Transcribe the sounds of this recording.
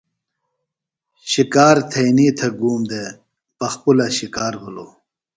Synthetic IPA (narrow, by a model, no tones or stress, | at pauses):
ɕikaːɾt̪ʰɐjniːt̪ʰɐɡuːmd̪e | pɐxpulɐɕikaːɾbulo